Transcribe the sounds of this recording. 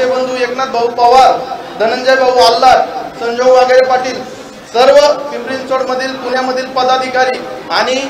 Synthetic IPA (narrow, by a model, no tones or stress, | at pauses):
ebənd̪ʱueknat̪̚bəupaʋaɾd̪ʱənəɲd͡ʑəjbabualːaɾsəɲd͡ʑʱowʋaɡeɾepaʈiːl | səɾʋəmibɾinsoɽməd̪ʱiːlp̪unjaməd̪ʱiːlpəd̪ad̪ʱikaɾiːaɽ̃i